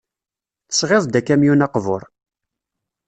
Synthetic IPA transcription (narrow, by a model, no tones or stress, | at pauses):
θə̥sʁeðˤd̪ækːæmjunɑqvʊɾˤ